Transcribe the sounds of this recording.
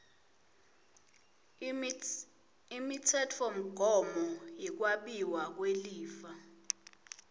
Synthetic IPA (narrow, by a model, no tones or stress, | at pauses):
imitʰɛtʰom̩ɡ̥ʱɔmɔjik̬waɓiwak̬weliːfa